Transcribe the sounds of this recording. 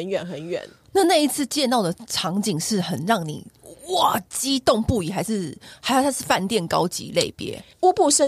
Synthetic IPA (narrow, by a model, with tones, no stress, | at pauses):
ə˦nɥɛ˨˩nxə˨˦nɥɛ̰˨˩˦n | na˥˧na˥˧i˥˩t͡sʰɹ̩˥˧t͡ɕjɛ˥˧nt̪ɑ˥˩ʊd̪ə˩ʈ͡ʂʰɑ˧˥ŋt͡ɕi˨˩ŋʂɻ̩˥˩xə˨˩nɻɑ˥˩ŋnḭ˨˩wɑ˥˨˩t͡ɕi˥t̪o˥˧ŋpu˥˩i˨˩xa˧˥ɪʂɻ̩˥˩xa˥˧t̪ʰa˥ʂɻ̩˥˧fa˥˧nt̪jɛ˥˩nkɑ˥ʊt͡ɕḭ˧˦le˥˨˩ɪpjɛ̰˥˦ | u˥pu˥˩ʂə˦